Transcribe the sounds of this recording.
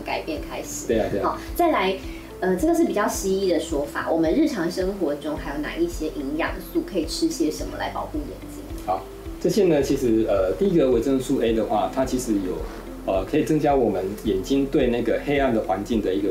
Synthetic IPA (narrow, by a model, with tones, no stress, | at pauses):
ka̰˨˩ɪpjɛ˥˩nkʰa˥ɪʂɻ̩˨˩we˥˧t̪e˥˧˩ɔ˥˧˩t͡sa˥˩ɪla˧˥ɪ | ə˧ʈ͡ʂɤ˥˩ɡə˩ʂɻ̩˥˩pi˨˩t͡ɕjɑ˥˩ʊɕi˥i˥˩d̪ə˩ʂwɔ˥fa̰˨˩wʔɔ˨˩mə˦nɻɻ̩˥˩ʈ͡ʂʰɑ˧˥ŋʂə˥ŋxwɔ˧˥ʈ͡ʂʊ˥ŋxa˧˥ɪjo˧ʊna̰˨˩i˥˩ɕjɛ˥ʔi˧˥ŋjɑ̰˨˩ŋsu˥˩kʰɤ˧˥i˨˩ʈ͡ʂʰɻ̩˥ɕjɛ˥ʂə˧˥nmə̰˧la̰˧˥ɪpɑ̰˨˩ʊxu˥˩jɛ̰˨˩nt͡ɕi˥ŋxɑ˨˦ | ʈ͡ʂɤ˥˩ɕjɛ˥nə˨t͡ɕʰi˧˥ʂɻ̩˧˥ə˧t̪i˥˩i˧˥ɡə˨we˨˥ɪʈ͡ʂə˥˧ŋsu˥˧e˥ɪd̪ə˨xwa̰˥˩t̪ʰa˥t͡ɕʰi˧˥ʂɻ̩˧˥jo˨˩ʊ | ə˧kʰə˧˥i˨˩t͡sɤ˥ŋt͡ɕja˥wɔ˨˩mə˦njɛ˨˩nt͡ɕi˥ŋt̪we˥˧ɪna˥˩ɪɡə˩xe˥ɪa˥˩nd̪ə˩xwa˧˥nt͡ɕi˥˩ŋd̪ə˩i˧˥ɡə˨